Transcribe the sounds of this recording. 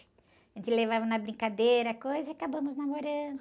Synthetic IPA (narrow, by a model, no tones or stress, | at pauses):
ɪ̥ | ʒẽt͡ʃ̪ɪlevavɐnɐbɾĩŋkad̪ejɾɐkojzɐakabɐ̃mʊznamoɾɐ̃nd̪ʊ